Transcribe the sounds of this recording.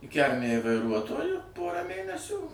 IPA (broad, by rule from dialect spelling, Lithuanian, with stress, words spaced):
ɪ ˈkʲælʲmʲɛj ʋɐɪˈruɔtoːjʊ ˈpoːrɑː ˈmʲeːnʲɛsʲuː